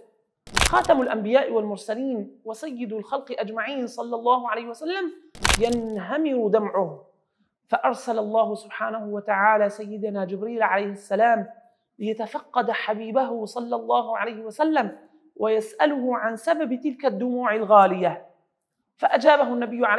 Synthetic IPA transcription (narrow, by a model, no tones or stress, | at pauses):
xɑːt̪amʊlʔambɪjaːʔɪwalmʊɾsaliːnwɑsɑjːɪd̪ʊlxɑlqɨʔad͡ʒmaʕiːnsˤɑlːɑlˤːɑːhʊʕalajhɪwasalːamjanɦamɪɾʊd̪amʕʊh | faʔɑɾˤsalɑlˤːɑːhʊsʊbħaːnahʊwat̪aʕaːlaːsajːɪd̪naːd͡ʒɪbɾiːlʕalajhɪsːalaːm | lɪjat̪afɑqːɑd̪ħabiːbaɦʊsˤɑlːɑlˤːɑːhʊʕalajhɪwasalːam | wʔajasʔalʊhʊʕansababt̪ɪlkad̪ːʊmuːʕɪlɣaːlɪja | faʔad͡ʒaːbaɦʊnːabɪjːʊʕa